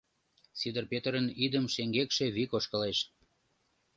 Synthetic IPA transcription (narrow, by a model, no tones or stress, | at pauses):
sid̪ərpet̪əɾənid̪əmʃeŋɡekʃeβikoʃkə̆leʃt̪̚